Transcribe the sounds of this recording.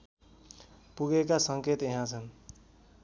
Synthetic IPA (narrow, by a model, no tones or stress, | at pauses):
puɡekasʌŋket̪jeɦãt͡sʰʌn